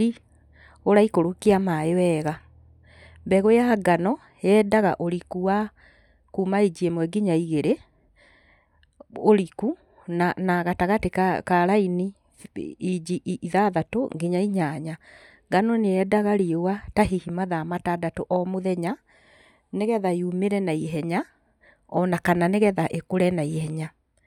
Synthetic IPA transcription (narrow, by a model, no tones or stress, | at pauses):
i | oɾaikoɾokeamaewɛːɣa | mbɛɣojaɡanɔ | jɛːdaɣa̰ʔoɾikuwa | kuːmaid͡ʒiemwɛɡiɲaiɣeɾe | oɾiku | nanaɣataɣatekaɾaini | id͡ʒiʔʔiðaðato̰ŋɡiɲaiɲaɲa | ɡanoneɛdaɣaɾiewataɦihimaðamatadatoʔɔmoðɛɲa | neɣɛðaiumeɾɛnaiɦɛɲa | ɔnakananeɣɛðaʔekoɾɛnaihɛɲa